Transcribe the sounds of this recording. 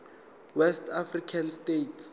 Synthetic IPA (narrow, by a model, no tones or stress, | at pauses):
wɛstʰafrikʰanstetʰs